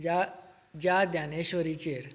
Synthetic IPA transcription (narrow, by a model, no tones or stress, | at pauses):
d͡ʑad̪janeɕoɾit͡ɕeɾ